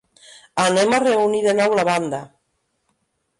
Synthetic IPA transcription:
anemareuniðenɔwlaβand̪a

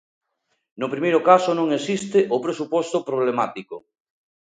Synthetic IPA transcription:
nʊpɾimejɾʊkasonõŋesist̪eʔopɾesupɔst̪opɾoβ̞lemat̪iko

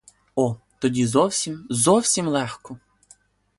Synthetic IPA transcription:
ɔ | t̪ɔdʲizɔwsʲimzɔwsʲimlˠɛxkɔ

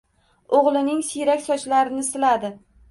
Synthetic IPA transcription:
oʁlˠɪnɪŋsiɾakʲsɒt͡ʃlaɾɪnɪsɪlad̪ɪ

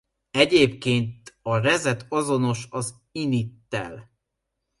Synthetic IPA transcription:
ɛɟeːpkeːnt̪ɒrɛzɛt̪ɒzo̞no̞ʃɒz | init̪ːɛ̰l

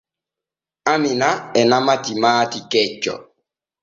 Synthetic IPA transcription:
aminaɛnamatimaːtikɛt͡ʃːɔ̰

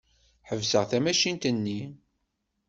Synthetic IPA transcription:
ħəvsəʁθæmæʃint̪ənːi

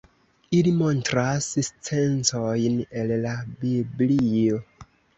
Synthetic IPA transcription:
ilimo̞ntɾasst͡sent͡sojne̞llabiblio̞

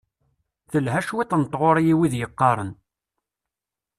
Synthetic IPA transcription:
θəlɦæʃwit̪ˤnət̪ːˤʁoɾˤjiwiðjəqːɑɾˤən

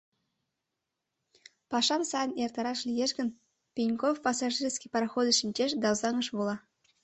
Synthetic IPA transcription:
pɑʂɑmsɑjənjert̪ɑɾɑʂlʲijeʃɡʲɘ̆n | pʲinʲkofpɑsɑʐirʲsʲkʲijpɑɾɑxod̪ɤʃinʲt͡ɕeʃd̪ɑwzɑŋɤ̆ʂbulˠɑ

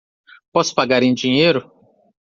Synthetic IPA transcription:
pɔsʊ̥paɡaɾẽj̃d͡ʒĩɲejɾʊ

